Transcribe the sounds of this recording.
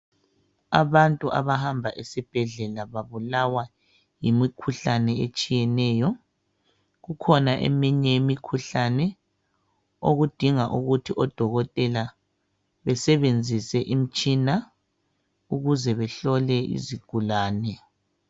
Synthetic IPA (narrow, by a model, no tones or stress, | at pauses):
a̰βantʼuʔa̰βahambʱaʔesib̥ʱɛɮɛlaβaβulawa | jimikʰuɬanɛet͡ʃʼijɛnɛːjɔ | ɣukʰɔnaʔḛmiɲɛjemikʰuɬanɛ | oɣud̥ʱiŋaʔuɣutʰiʔɔd̥ʱɔɣɔtʼɛla | βɛsɛβend͡zʱisɛʔim̩t͡ʃʼina | uɣuzɛβɛɬɔlɛḭziɡ̥ʱulaːnɛ